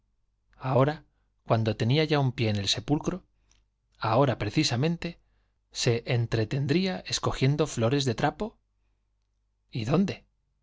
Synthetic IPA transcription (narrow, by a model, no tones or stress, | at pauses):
ao̞ɾa | kwand̪o̞t̪e̞niaʝaumpje̞ːne̞lse̞pulkɾo̞ | ao̞ɾapɾe̞θisamẽ̞nt̪e̞ | se̞ʔːnt̪ɾe̞t̪e̞nd̪ɾiae̞sko̞xje̞nd̪o̞flo̞ɾe̞zðe̞t̪ɾapo̞ | iðo̞nd̪e̞